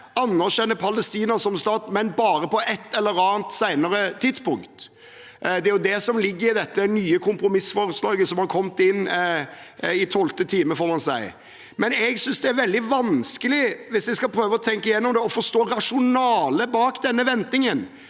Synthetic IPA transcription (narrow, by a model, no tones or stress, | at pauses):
ɑnːəʂɛnːəpʰɑləst̪iːnɑsɔmst̪ɑːt̪mɛnbɑːɾəpɔʔɛt̪ːɛlːəɾɑːnt̪sæɪnəɾət̪ʰɪd̪spʊŋkt̪ | d̪ɛæɾjʊd̪ɛsɔmlɪɡːəɾɪd̪ɛt̪ːənyːəkʰʊmpɾʊmɪsfɔɾəslɑːɡəsɔmhɑɾkʰɔmt̪ɪnː | ɪt̪ʰɔlt̪ət̪ʰiːməfɔɾmɑnsæɪ | mɛnɛɡsʏnsd̪ɛæɾʋɛld̪ɪʋɑnskəlɪʋɪsd̪ɛskɑpʰɾøːʋəɔt̪ʰɛŋkəɪjɛnːɔmd̪ɛɔfɔʂt̪oːɾɑʂʊnɑːləbɑːkd̪ɛnːəʋɛnt̪nɪŋən